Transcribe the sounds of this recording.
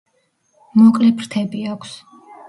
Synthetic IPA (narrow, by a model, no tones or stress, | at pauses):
mɔkʼlɛpʰɾt̪ʰɛbiakʷʰs